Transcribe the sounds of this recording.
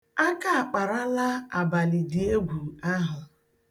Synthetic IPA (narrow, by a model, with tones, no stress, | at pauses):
a˦ka˦a˨k͡pa˨ɾa˦la˦a˨ba˨lɪ˨dɪ˨e˦ɡʷu˨a˦ɦʊ˨